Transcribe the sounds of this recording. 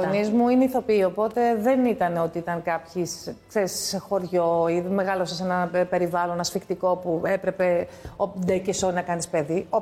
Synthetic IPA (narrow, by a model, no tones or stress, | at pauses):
onnizmuineiθo̞piio̞po̞t̪e̞ðe̞nit̪ɐne̞o̞t̪iit̪ɐŋkɐpçiskseɾisːexo̞ɾʝo̞ime̞ɣɐlo̞sɐse̞nɐpe̞ɾivɐlo̞nɐsfikt̪iko̞pue̞pɾe̞pe̞ | od̪ecesoɾnɐkɐnispeðio